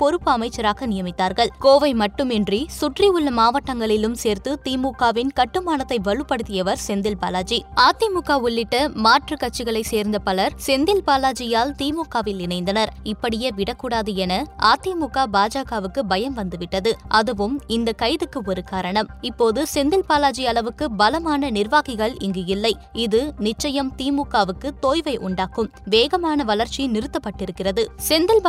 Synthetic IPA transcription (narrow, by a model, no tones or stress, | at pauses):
pɔɾɯpːɯɐmɐɪt͡ʃːɐɾaːɣɐnɪjɐmɪt̪ːaːɾɣɐɭkoːʋɐɪmɐʈːɯmɛndrisʊʈriʊɭːɐmaːʋɐʈːɐŋɡɐɭɪlɯmseːɾt̪ɯt̪iːmuːkːaːʋɪnkɐʈːɯmaːnɐt̪ːɐɪʋɐɭɯpːɐɽɯt̪ːɪjɐʋɐɾsɛnd̪ɪlpa̰ːlaːd͡ʒiaːt̪ːimʊkːaːʊɭːɪʈːɐmaːʈrɯkɐʈ̚t͡ʃːɪɣɐɭɐɪseːɾnd̪ɐpɐlɐɾsɛnd̪ɪlpaːlaːd͡ʒɪjaːlt̪iːmuːkːaːʋɪlnɪnɐɪnd̪ɐnɐɾɪpːɐɽɪjɐʋɪɽɐkːuːɽaːðɯɛnɐaːt̪ːimukːaːbaːd͡ʒaːɣaːʋɯkːɯbɐjɐmʋɐnd̪ɯʋɪʈːɐðɯʔɐðɯʋɯmɪnd̪ɐkɐɪðɯkːɯɔɾɯkaːɾɐɳɐmɪpːoːðɯsɛnd̪ɪlpaːlaːd͡ʒɪjɐlɐʋɯkːɯbɐlɐmaːnɐnɪɾʋaːɣɪɣɐɭɪŋɡɯjɪlːɐɪ | ɪðɯnɪt͡ʃːɐjɐmt̪iːmuːkːaːʋɯkːɯt̪oːjʋɐɪʔʊɳɖaːkɯmʋeːɣɐmaːnɐʋɐlɐɾt͡ʃinɪɾɯt̪ːɐpːɐʈːɪɾɯkːɪrɐðɯsɛnd̪ɪl